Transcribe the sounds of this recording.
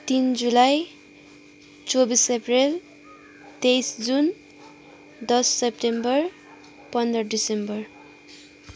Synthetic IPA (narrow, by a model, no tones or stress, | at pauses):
t̪ind͡zulaj | t͡sobiseprel | t̪ejsd͡zun | d̪ʌsːep̚ʈembʌr | pʌnd̪ɾʌɖisembʌr